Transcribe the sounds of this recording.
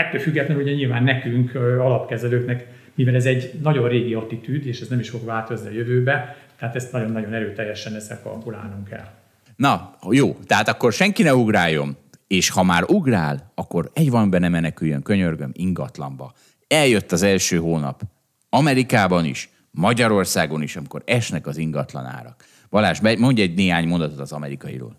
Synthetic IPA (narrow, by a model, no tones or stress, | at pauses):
ɛt̪ːøːlfyɡːɛt̪lɛnuɟɛɲilvaːnːɛkyŋkɒlɒpkɛzɛløːknɛk | mivɛlɛzɛɟnɒɟo̞nreːɡiɒt̪it̪yːd̪eːʃɛznɛmiʃfo̞ɡvaːt̪ozniɒjøvøːbɛt̪ɛɦaːt̪ɛst̪nɒɟo̞nːɒɟo̞nɛɾøːt̪ɛjːɛʃɛnɛzɛkɒ̰lɡula̰ːnuŋkɛ̰l | nɒjoːt̪ɛɦaːt̪ɒkːo̞rʃɛŋkinɛuɡraːjo̞̰meːʃhɒmaːɾuɡraːlɒkːo̞ɾɛɟvɒmbɛnɛmɛnɛkyjːøŋkø̞ɲørɡømiŋɡɒt̪lɒ̰mbɒ | ɛljø̞t̪ːɒzɛlʃøːɦoːnɒ̰p | ɒmɛɾikaːbɒnḭʃ | mɒɟɒɾo̞rsaːɡo̞niʃɒmiko̞̰ɾɛʃnɛkɒziŋɡɒt̪lɒ̰na̰ːɾɒk | bɒlaːʒbɛmo̞ɲɟɛɟneːɦaːɲmo̞nd̪ɒt̪ot̪ɒzɒmɛɾikɒjḭɾo̰ːl